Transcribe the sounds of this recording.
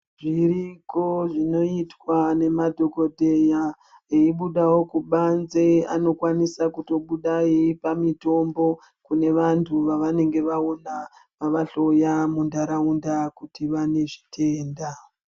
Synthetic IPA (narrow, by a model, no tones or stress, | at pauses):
ʐiɾiko̞ʐino̞itwane̞madʱo̞ko̞dʱeja | eiɓuɗawo̞kuɓanze̞a̰no̞kwanisakuto̞ɓuɗaipamito̞mbo̞ | kune̞ʋantʰuʋaʋane̞ŋɡe̞ʋaonamaʋaɬo̞jamundaɾaundakutiʋane̞ʐitʰe̞ːnda